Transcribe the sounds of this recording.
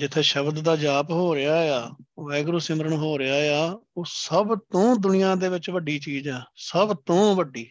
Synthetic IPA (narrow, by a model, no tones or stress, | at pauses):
d͡ʒɪt̪ʰːeːʃəbd̪ːaːd͡ʒaːpɦoːɾɪaːejaːʋɛːɡɾoːsɪməɾəɳɦoːɾɪaːjaːoːsəbt̪õːd̪ʊnɪjãːd̪eːʋɪt͡ʃʋəɖiːt͡ʃiːd͡ʒɦɛːsəbt̪õːʋəɖːiː